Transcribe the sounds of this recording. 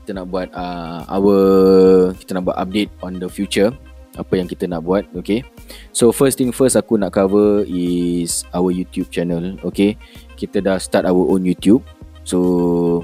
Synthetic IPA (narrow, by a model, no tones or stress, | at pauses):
ki̥t̪ənaʔ̚buat̪̚əa̰wə | kit̪ənaʔ̚bua̰t̪a̰p̚det̪̚ɔ̃ndəfjut͡ʃə | ʔapəjãŋkit̪ənaʔbuat̪̚oke | sofəst̪ĩŋfəsakunaʔkavəisawəjut̪jub̚t͡ʃɛnəlokekit̪ədahst̪atawəʔonjut̪jub̚ | so